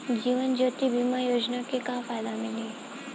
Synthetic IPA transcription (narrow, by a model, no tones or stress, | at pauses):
d͡ʒiːʋənd͡ʒot̪ibimajod͡ʒnakekafajd̪amiliː